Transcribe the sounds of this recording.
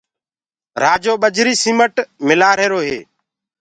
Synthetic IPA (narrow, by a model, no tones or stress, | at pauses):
ɾaːd͡ʒoːɓəd͡ʒʱɾiːsiːməʈmɪlaːɾeːɾoːɦḛː